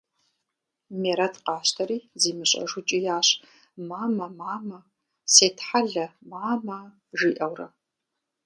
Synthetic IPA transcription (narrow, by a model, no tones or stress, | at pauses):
meːɾɐtʰqɑːɕtʰɐɾiːziːmɨɕʼɐ̰ʒʷʊt͡ʃʼijaːɕ | maːmɐmaːmɐ | seːtʰħaɮɐmaːmɐ | ʒiːʔɐwrɐ